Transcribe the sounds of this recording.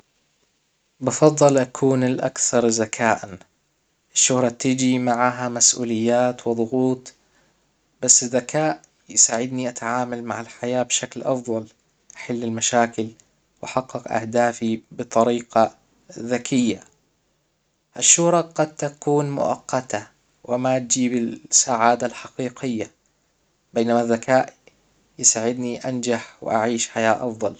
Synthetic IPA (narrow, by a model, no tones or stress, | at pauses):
bɑfɑðˤːɨlʔakʰuːnɪlʔa̰kθɑɾˤzakʰaːʔan | ʔɪʃːʊhɾˤɑt̪ɪd͡ʒimaʕaɦamasʔṵːlɪjːaːt̪wɪðˤʊɣuːt̪ˤ | b̥asːɪzːakʰaːʔ | jsaːʕɪd̪niʔat̪aʕaːmalmaʕɪlħajaːbʃaklʔɑfðˤɑl | ʔaħalːɪlmaʃaːkɪl | wʔaħɑqːɪqʔa̰hd̪aːfibɨt̪ˤɑɾiːqɑ | ðakɪjːa | ʔaʃːʊɾˤɑqɑd̪̚t̪akuːnmʊ̰ʔɑ̰qːɑt̪ʰa | wɪmat̪̚d͡ʒiːbɪlsaːʕaːd̪alħɑqiːqɪjːa | beːnamaðːakaːʔ | jsaːʕɪd̪niʔand͡ʒaħwɪ̰ʔa̰ʕiːʃħajaːʔɑfðˤɑl